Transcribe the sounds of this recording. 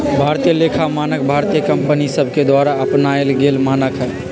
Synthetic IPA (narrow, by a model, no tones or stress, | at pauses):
bʱaɾt̪ijəlekʰamanək̚bʱaɾt̪ijəkəmpənisəbʱked̪waɾaəpnaelɡelmanəkɦə